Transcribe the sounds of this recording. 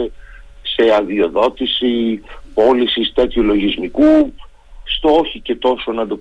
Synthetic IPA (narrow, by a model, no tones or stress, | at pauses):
e | se̞ɐðio̞ðo̞t̪isipo̞lisist̪et̪çolo̞ʝizmiku | st̪oçice̞t̪o̞so̞nɐnd̪op